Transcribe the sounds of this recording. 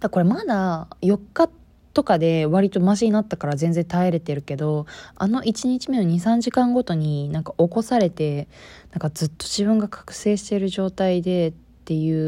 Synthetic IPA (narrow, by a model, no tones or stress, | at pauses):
d̪̥ako̞ɾe̞mad̪ajo̞kːa | t̪ːo̞kad̪e̞βaɾʲit̪o̞maʑiɲ̟inat̪ːakaɾazẽ̞nd͡zẽ̞nt̪aeɾe̞t̪e̞ɾɯ̟ke̞d̪o̞a̰no̞ʔit͡ɕiɲ̟it͡ɕime̞noɲ̟isãɲ̟d͡ʑikãŋɡo̞t̪o̞ɲ̟inãŋkaʔo̞ko̞saɾe̞t̪e̞nãŋkad͡zɨt̪ːo̞ʑiβɯ̟̃ŋɡakʰḁkɯ̟̥se̞ːɕi̥t̪e̞ɾɯ̟ʑo̞ːt̪aid̪e̞t̪ːe̞jɯ̟ː